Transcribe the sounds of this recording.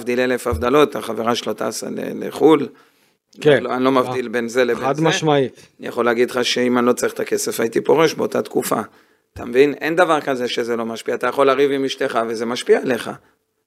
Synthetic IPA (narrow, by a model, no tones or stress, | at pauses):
vd̪ilele̞favd̪alo̞t̪aχaveʁaʃelo̞t̪a̰ːsa̰lḛlḛχul | lanlo̞mavd̪ilbe̞nzelebad̪maʃmai | nija̰χo̞leaɡidχaʃe̞imanlo̞t͡saʁiχt̪ake̞se̞fait̪ipo̞ʁe̞ʃbeo̞tat̪kufa | t̪ʰamvinʔe̞nd̪avaʁkaze̞ʃe̞ze̞lo̞maʃpiaːt̪ajaχo̞laʁivimiʃte̞χaveze̞maʃpiaele̞χa̰